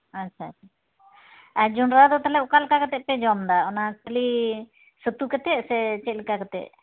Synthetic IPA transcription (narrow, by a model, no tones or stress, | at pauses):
atːt͡ʃʰaːtt͡ʃʰa | ad͡ʒunɾad̪ɔt̪alɛɔkalkakɛt̪ɛʔ̚pɛd͡ʒɔmd̪aɔnakəli | sət̪ukɛt̪ɛʔsɛt͡ʃɛʔ̚likakɛt̪ɛ̰ʔ